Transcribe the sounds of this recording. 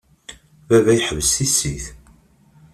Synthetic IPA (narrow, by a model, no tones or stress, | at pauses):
vævæjħəvəsθisiθ